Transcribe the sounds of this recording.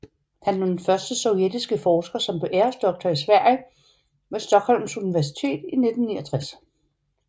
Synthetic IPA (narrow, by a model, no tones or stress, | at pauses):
hænnonfɶɐsd̥əsɒ̽ʊjed̥isɡ̥əfɒːsɡ̥ɐsɒ̽mb̥eʔeɐsd̥ɒ̽ɡ̥̚d̥ʰɐisʋæɐ̰jə | ʋesd̥ɒ̽ɡ̥hɒ̽l̰m̩suniʋæɐs̬i̥t͡sʰe̝̰ːd̥ine̝d̥n̩ːiɐt͡sʰʁas